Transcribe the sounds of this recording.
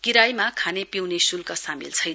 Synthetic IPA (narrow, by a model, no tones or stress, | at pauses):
kiɾajmakʰanepiwnesulkasamḭlt͡sʰʌj